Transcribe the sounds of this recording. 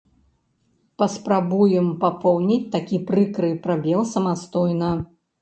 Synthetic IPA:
pɐspɾabujɛmpapɔwnʲit͡sʲt̪akʲipɾɨkɾɨpɾabʲɛlˠsɐmast̪ɔjnɐ

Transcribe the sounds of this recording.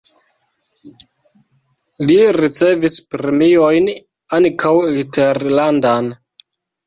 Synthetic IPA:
liɾit͡se̞vispɾemiojn | ankʰawɡiteɾlandan

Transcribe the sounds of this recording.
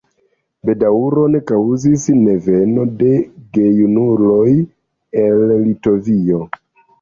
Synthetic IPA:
be̞dauɾo̞ne̞kawzisne̞ve̞no̞de̞ɡe̞junulo̞j | ellito̞vio̞

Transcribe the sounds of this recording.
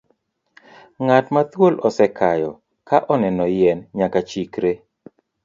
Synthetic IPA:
ŋatmat̪wolɔsɛkʰajɔ | kaʔɔnɛnɔjɛnɲakat͡ʃikɾe

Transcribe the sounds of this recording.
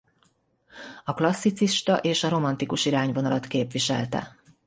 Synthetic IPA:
ɒklɒsːit̪siʃt̪ɒ̰ʔeːʃɒɾo̞mɒnt̪ikuʃiɾaːɲvo̞nɒlɒt̪keːpʋiʃɛ̰lt̪ɛ̰

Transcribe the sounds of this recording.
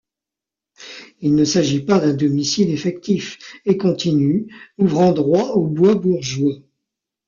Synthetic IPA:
ilnəsaʒipad̪ɛ̃d̪ɔmisilefɛk̚t̪ifekɔ̃t̪ʰinyuvʁɑ̃d̪ʁwaobwabuʁʒwe

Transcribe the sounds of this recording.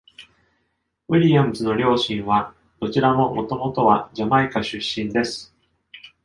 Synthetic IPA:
wiɾʲiãnt͡sɨno̞ɾʲo̞ːɕĩɰ̃βa | d̪̥o̞t͡ɕiɾamo̞mo̞t̪o̞mo̞t̪o̞βad͡ʑamaikaɕɨɕːĩnd̪e̞sɨ̥

